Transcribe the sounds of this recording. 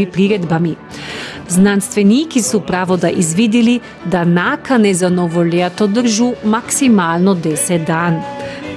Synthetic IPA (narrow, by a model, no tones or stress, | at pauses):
ipɾiɾɛd̪bami | znanst̪ʋɛniːkisɔpɾaːʋɔd̪aʔizʋiːd̪ili | d̪anaːkanɛzanɔʋɔlat̪ɔd̪əɾʒumaksimaːlnɔd̪ɛsɛt̪̚d̪an